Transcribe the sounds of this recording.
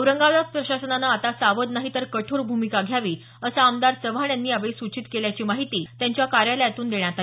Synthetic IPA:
əwɾəŋɡalakpɾəɕasənanaat̪asaʋəd̪naɦit̪əɾkəʈʰoɾbʱumikaɡʱjaʋiː | əsaːmd̪aɾsəʋʱaɳjanːiːaʋesut͡ɕit̪keljat͡ɕiːmaɦit̪iːt̪jaɲt͡ɕjakaɾjaləjat̪uːnd̪eɳjat̪a

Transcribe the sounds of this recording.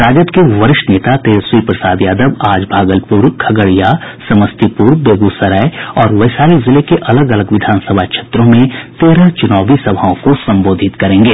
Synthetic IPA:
ɾaːd͡ʒət̪keʋɐɾɪʃneːt̪at̪eːɾswiːpɾɐsaːd̪jaːd̪əbaːd͡ʒbʱaːɡəlpuɾkʰɐɡəɽijasɐməst̪ipuːɾbeːɡusɐɾəeɔːɾʋɐɪsaːɾizɪlekeʔɐləɡɐləɡʋɪd̪ʱaːnsəbʱakʃeːt̪ɾõmẽt̪eːɾat͡ʃʊnaːbisɐbʱaõkosɐ̃mboːd̪ʱɪt̪kɐɾẽːŋɡeː

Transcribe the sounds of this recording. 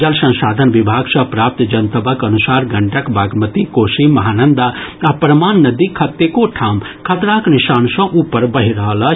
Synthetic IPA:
d͡ʒɐlsɐ̃nsaːd̪ʱənʋibʱaːɡsɐ̃pɾaːp̚t̪d͡ʒɐnt̪əbəkɐnusaːɾɡɐɳʈəkbʱaːɡmət̪ikoːsimɐɦaːnənd̪aapɾɐmaːnːɐd̪ikʰːɐt̪ːekoʈʰaːm | kʰɐt̪ɾaknɪʃaːnsɔ̃ʔuːpəɾbɐɦiɾəɦələ

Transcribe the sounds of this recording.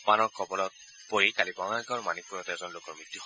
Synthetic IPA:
panɔɹkʰɔbɔlɔt̚ | pojikalibaŋaɡɔɹmanik̚pujɔtɛzɔnlokɔɹmɹit̪ːuɦɔ

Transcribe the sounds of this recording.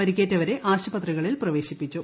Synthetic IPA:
ɐɾikʲːeːtːɐʋɐɾe̞ʔaːɕɐbɐt̪rɐɣɐɭilprɐʋe̞ːɕipːit͡ɕːu

